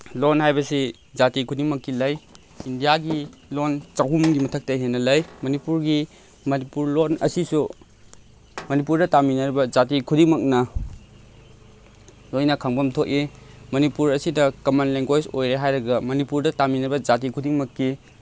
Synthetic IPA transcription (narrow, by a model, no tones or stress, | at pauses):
lonhajbɐsi | d͡ʒatikʰudiŋmɐkːilɐj | indijaɡilont͡ʃawɦumɡimɐtʰɐk̚tɐɦenːɐlɐjmɐnipuɾɡi | mɐnipuɾlonɐ̰sisu | mɐnipuɾdɐtaminɐɾibɐd͡ʒatikʰudiŋmɐk̚nɐ | lojnɐkʰaŋbɐmtʰoki | mɐnipuɾɐsidɐkɐmanleŋɡojsojɾeɦajɾɐɡɐmɐnipuɾdɐtaminɐbɐd͡ʒat̬ikʰudiŋmɐkːi